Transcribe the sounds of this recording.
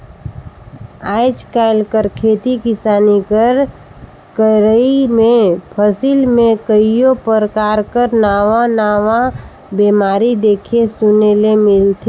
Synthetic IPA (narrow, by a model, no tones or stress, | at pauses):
aːɪd͡ʒkaɪlkəɾkʰeːt̪ikɪsaːnikəɾ | kəɾəimẽpʰəsilmẽkəijopəɾəkaːɾkəɾnaːʋãnaːʋã | beːmaːɾid̪eːkʰesʊnelemɪlt̪ʰe